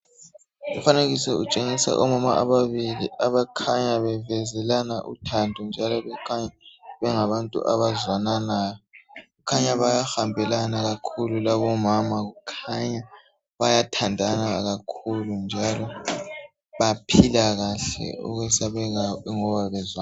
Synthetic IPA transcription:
ufaneɣisɛut͡ʃʼeŋisa̰ʔɔmama̰ʔa̰βaβiliʔaβakʰaɲaβɛvɛzɛlanaʔṵtʰandʱund͡ʒʱalɔβɛkʰaɲaβɛŋaβantʼṵʔa̰βazwananaːjɔɣukʰaɲaβajaxambʱɛlanaɣakʰululaβɔmamaɣukʰaɲa | βajatʰandʱanaɣakʰulund͡ʒʱalɔ | βapʰilaɣaɬɛ̰ṵɣwɛsaβɛɣaŋɔβaβɛzwa

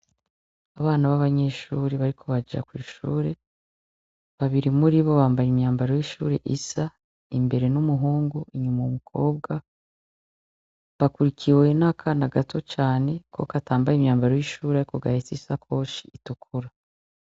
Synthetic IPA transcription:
aβaːnaβaβaɲe̞ʃuːɾeβaɾikʰo̞βad͡ʒa̰kwiːʃṵːɾe̞ | βaβiɾimuɾiβo̞βaːmbajimɲaːmbaɾojiʃṵːɾe̞̰ʔisa | imbe̞ɾe̞numuɦuːŋɡuiɲumaumukʰo̞ːbɡa | βakuɾikʰiweinakʰanaɡatʰo̞t͡ʃaːne̞ko̞̰kataːmbajimɲaːmbaɾojiʃuːɾaɾiko̞ɡahisisakʰo̞ːʃiitukʰuɾa

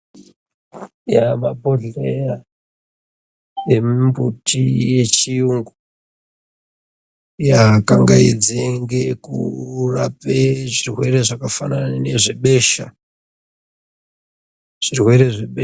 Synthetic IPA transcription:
jamapo̞ɮeja | e̞mbutʰije̞t͡ʃijuŋɡu | jakaŋɡaid͡zeŋɡe̞kurapeʐirwe̞ɾe̞ʐakafanane̞ʐeɓe̞ʃa | ʐ̥irwe̞ɾe̞ʐeɓe

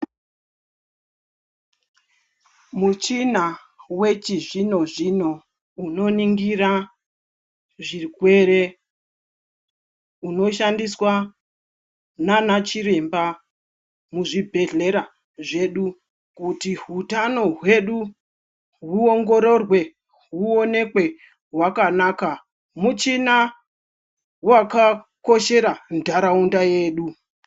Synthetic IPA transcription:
mut͡ʃina | we̞t͡ʃiʐino̞ʐino̞ | uno̞niŋɡiɾa | ʐikwe̞ɾe̞ | uno̞ʃandiswa | nanat͡ʃiɾe̞mba | muʐibʱe̞ɮe̞ɾa | ʐe̞ɗu | kutiɦutano̞ɦwe̞ɗu | ɦuoŋɡo̞ɾo̞rwe̞ | ɦuo̞ne̞kwe̞ | ɦwakanaka | mut͡ʃina | wakako̞ʃe̞ɾandʱaɾaundaje̞ːɗu

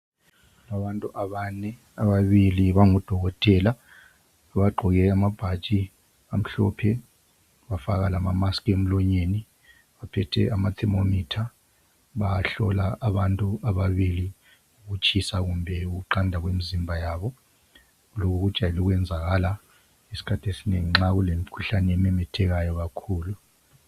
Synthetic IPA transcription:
naɓantʼuʔaβanɛ | aɓaβiliβaŋɔd̥ʱɔɣ̬ɔtʼɛlaː | ɓaɡ͡ǃʱɔɣ̬ɛamab̥ʱḁt͡ʃʼi | am̩ɬɔ̰pʰɛ | ɓafak̬alamamaskʰʼem̩lɔɲeːni | ɓapʰɛtʰɛ̰amatʰɛmomiːtʰa | ɓaɬɔlaʔːɓantʼuaɓaɓili | uk̬ut͡ʃʰisaɣ̬umbʱɛuk̬uǃandʱakwemizimbʱajaːɓɔ | lok̬uk̬ud̥ʒ̥ʱajiluk̬wɛnd͡zʱaɣ̬ala | isi̥kʰatʰesineŋiŋ͡ǁak̬ulem̩kʰuɬanɛmɛmɛtʰɛk̬ajɔk̬akʰuːlu

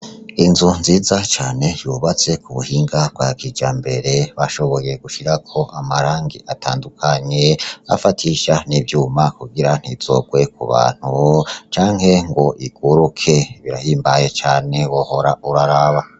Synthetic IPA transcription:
inzunziːzat͡ʃaːne̞juβat͡se̞kʰuβuhiːŋɡab̚ɡwaːɡid͡ʒambeɾeβaʃo̞βo̞je̞ɡ̥uʃiɾakʰo̞ʔamaɾaːŋɡḭʔatʰaːndukʰaɲe̞a̰fatʰiʃanibjuːmakuɡiɾan̥hiz̥o̞̰ɡ̥we̞kṵβa̰ːn̥hut͡ʃaːŋhe̞ŋɡo̞ʔiɡ̥uɾukʰe̞βiɾahiːmbaje̞t͡ʃaːne̞woho̞ɾauɾaɾaβa

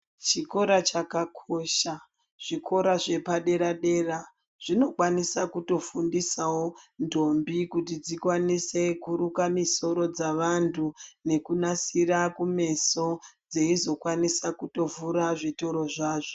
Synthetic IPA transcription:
t͡ʃiko̞ɾat͡ʃakakʰo̞ʃa | ʐ̥ikʰo̞ɾaʐe̞paɗe̞ɾaɗe̞ra | ʐ̥ino̞kwanisakuto̞fundisawondo̞mbikutid͡zikwanise̞kuɾukamiso̞ɾo̞d͡zaʋantʰune̞kunasiɾakume̞so̞d͡ze̞izo̞kwanisakuto̞vuɾaʐito̞ɾo̞ʐaːʐo

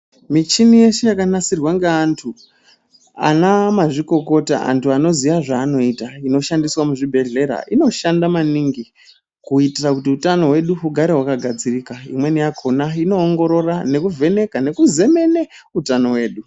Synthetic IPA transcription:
mit͡ʃinije̞ʃejakanasirwaŋɡeantʰu | a̰namaʐiko̞ko̞ta̰a̰ntʰuano̞ziʋaʐaːno̞itaino̞ʃandiswamuʐibʱe̞ɮe̞ɾa̰ʔino̞ʃandamaniŋɡi | kuitirakutiutano̞ɦwe̞ɗuɦuɡʱaɾewakaɡʱad͡zirikaḭmwe̞nijakʰonaino̞ːŋɡo̞ɾo̞rane̞kuvʱe̞ne̞kane̞kuze̞me̞ne | utano̞we̞ːɗu

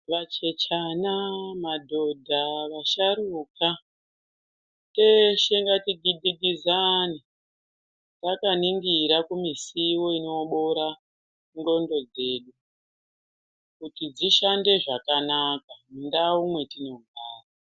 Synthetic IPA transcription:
ʋat͡ʃe̞t͡ʃanamadʱo̞dʱaʋaʃaɾuka | teʃeŋɡatiɡiɡiɡʱizani | takaniŋɡiɾakumisiwo̞ino̞ɓo̞ɾa | ŋɡo̞ndo̞d͡ze̞ːɗu | kutid͡ziʃande̞ʐakanakamundaumwe̞tino̞ɡʱaːra

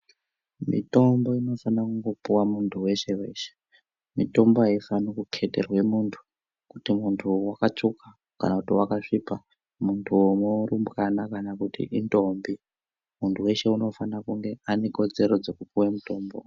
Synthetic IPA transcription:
mḭto̞mbo̞ino̞fanakuŋɡo̞puwamuntʰuwe̞ʃe̞we̞ʃe̥ | mito̞mbo̞ɦaifanokukʰe̞te̞rwe̞muːntʰu̥ | kutimuntʰuwakat͡ʂuka | ka̰nakutiwakaʂipa | muntʰuomoɾumbɣanakanakutḭʔindo̞mbi | muntʰuwe̞ʃe̞uno̞fanakuŋɡe̞ane̞ko̞d͡ze̞ɾo̞d͡zo̞kupuwemuto̞ːmbo̰

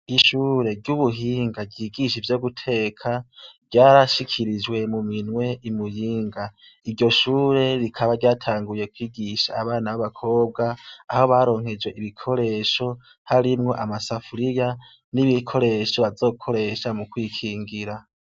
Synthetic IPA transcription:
iʃuːɾe̞ɾɟuβuɦiːŋɡaɡɟiːɡiʃivjo̞ɡutʰe̞ːkʰaɾɟaːɾaʃikʰiɾid͡ʒwe̞muminwe̞imujiːŋɡa | iɾɟo̞ʃuːɾe̞ɾikʰaβaɾɟaːtʰaːŋɡuje̞kwiːɡiʃaːβaːnaβaβakʰo̞ːb̚ɡaːho̞βaːɾo̞ːŋ̥he̞d͡ʒwe̞ʔiβikʰo̞ɾe̞ʃo̞ | haɾimŋo̞ʔamasafuɾija | niβikʰo̞ɾe̞ʃo̞βazo̞ːkʰo̞ɾe̞ʃamukwiːkʰiːŋɡiɾa

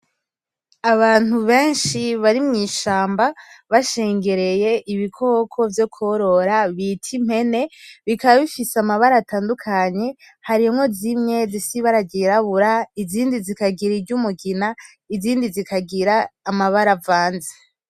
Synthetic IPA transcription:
aβaːn̥uβe̞ːnʃiβaɾimŋiːʃaːmbaβaʃeːŋɡe̞ɾe̞je̞ʔiβikʰo̞ːkʰo̞vjo̞kʰoɾo̞ɾaβitʰim̥he̞ne̞βikaβaβifiseamaβaɾataːndukʰaɲe̞ | haɾimŋo̞zimɲe̞zisiβaɾaɟiɾaβuɾaiziːndizikaɡiɾiɾɟumuɡina | iziːndizikaɡiɾaːmaβaɾavaːnze̥

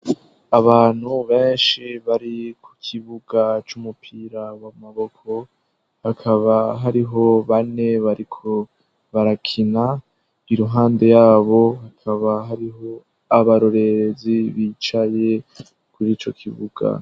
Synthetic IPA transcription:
aβaːn̥huβe̞ːnʃiβaɾikʰu̥kʰiβuɡat͡ʃumupʰiɾawamaβo̞kʰo̞ | hakʰaβaɦaɾiɦo̞βane̞βaɾikʰo̞ | βaɾakʰina | iɾuɦaːnde̞jaːβo̞hakʰaβaɦaɾiɦo̞ | aβaɾo̞ɾe̞ɾeziβiːt͡ʃaje̞ | kuɾiːt͡ʃo̞̰kʰiβuɡ̥a̰

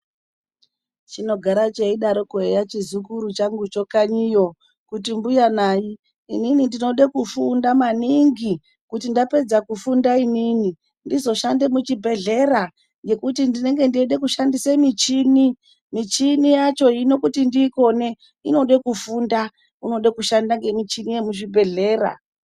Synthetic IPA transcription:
t͡ʃino̞ɡʱaɾat͡ʃeiɗaɾo̞kuejat͡ʃizukuɾut͡ʃaŋɡut͡ʃo̞kaɲijo̞ | kut̬imbujanaːji | ḭninindino̞ɗekufundamaniŋɡi | kutindape̞d͡zakufundainini | ndizo̞ʃande̞mut͡ʃibʱe̞ɮe̞ra | ŋɡe̞kutindine̞ŋɡe̞ndieɗekuʃandisemit͡ʃini | mit͡ʃinijat͡ʃo̞ino̞kutindiko̞ne̞ | ino̞ɗekufunda | uno̞ɗekuʃandaŋɡe̞mit͡ʃinijemuʃibʱe̞ɮe̞ːra̰

